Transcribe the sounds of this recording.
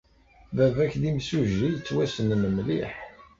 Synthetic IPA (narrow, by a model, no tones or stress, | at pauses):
vævæçðimsuʒːijt͡sːwæsənməmlḭħ